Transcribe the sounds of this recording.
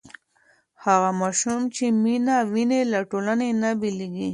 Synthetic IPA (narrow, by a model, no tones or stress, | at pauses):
haɣamaʃumt͡ʃeminawinelaʈolanenabiliɡi